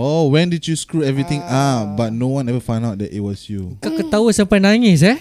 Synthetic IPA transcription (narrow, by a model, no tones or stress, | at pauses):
owɛ̃ndid͡ʒjuskɹuɛvɹit̪ĩŋabat̚nowãnɛvəfãj̃ndaʊt̚dɛ̰tḭt̚wɔsjukakət̪ausəmpajnãŋis̬ɛ